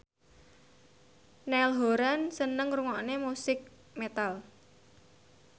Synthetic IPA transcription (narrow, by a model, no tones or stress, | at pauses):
nɛlɦoɾansənəŋruŋɔʔnemusɪk̚ | met̪al